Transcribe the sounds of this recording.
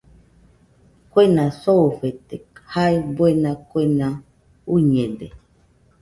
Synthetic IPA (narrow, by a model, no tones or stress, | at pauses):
kʷenãsoɸet̪ehaebwenãkʷenã | uɲẽde